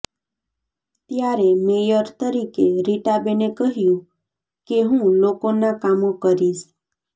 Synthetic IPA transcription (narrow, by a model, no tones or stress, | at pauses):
t̪jaɾemejəɾt̪əɾikeɾiʈabenekəɦjũ | keɦũlokonakamokəɾiʃ